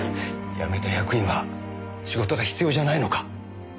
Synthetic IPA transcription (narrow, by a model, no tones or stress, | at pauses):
ja̰me̞t̪ajakɯ̟ĩɰ̃βa | ɕiɡo̞t̪o̞ɡaçi̥t͡sɨjo̞ːʑanaino̞kḁ